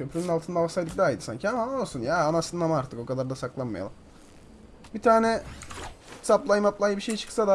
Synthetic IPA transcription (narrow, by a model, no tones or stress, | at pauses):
cʰø̞pɾynynalˠt̪ʰɯnd̪avasajd̪ɯk̚d̪aːid̪ɯsa̰ɲcʰiamaolˠsunjaːnasɯnɯnamaaɾt̪ʰɯko̞kʰad̪ˠaɾd̪asaklˠanma̰ja̰ɯm | bit̪ʰaːnɛ | saplˠajmaplˠajɯbiʃe̞jit͡ʃʰɯ̥ksad̪a